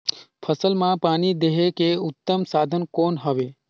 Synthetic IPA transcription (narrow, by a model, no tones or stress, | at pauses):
pʰəsəlmãpanid̪eɦekeut̪ːəmsad̪ʱənkonɦəʋe